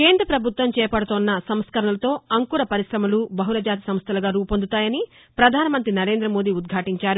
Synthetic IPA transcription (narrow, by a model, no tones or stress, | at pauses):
keːnd̪ɾɐpɾɐbʱut̪ʋɐmt͡ʃɛːpɐɽut̪oːnːɐsɐmskɐɾɐɳɐlɐt̪o̞ːɐŋkuːɾɐpɐɾisɾɐmɐlubɐɦulɐd͡ʒaːt̪i̥sɐmst̪ʰɐlɐɡaːɾuːpond̪ut̪aːjɐni | pɾɐd̪ʱaːnɐmɐnt̪ɾinɐɾe̞ːnd̪ɾɐmo̞ːd̪iːud̪̚ɡʱaːʈiɲt͡ʃaːɾu